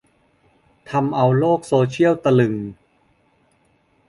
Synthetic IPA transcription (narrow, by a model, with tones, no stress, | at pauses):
t̪ʰa˧mʔa˧wloː˥˩k̚soː˧t͡ɕʰi˥˩əwt̪a˧lɯ˨˩ŋ